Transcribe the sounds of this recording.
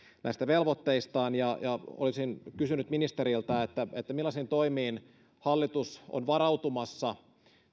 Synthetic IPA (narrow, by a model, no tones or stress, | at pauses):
næ̰ist̪æʋelʋot̪ːeist̪ɑːnjɑjɑo̰lisinkysynyt̪minist̪eɾilt̪ɑet̪ːæet̪ːæmilːɑsint̪oimiːn | hɑlːit̪uso̰nʋɑɾɑut̪umɑsːɑ